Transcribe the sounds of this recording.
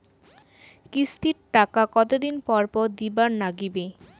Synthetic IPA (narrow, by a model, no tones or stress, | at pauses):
kist̪iɾʈakakɔt̪od̪inpɔɾpɔɾd̪ibaɾnaɡibe